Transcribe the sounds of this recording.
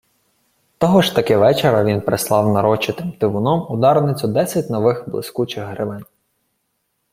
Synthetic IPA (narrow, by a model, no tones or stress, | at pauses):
t̪ɔɦɔʒt̪ɐkɪʋɛt͡ʃeɾɐʋʲinpɾeslˠɑwnɐɾɔt͡ʃɪt̪ɪmt̪ɪʋʊnɔmʊd̪ɑɾnɪt͡sʲʊd̪ɛsʲɐt̚ʲnɔʋɪxblˠɪ̰skut͡ʃɪɣɦɾɪʋɪn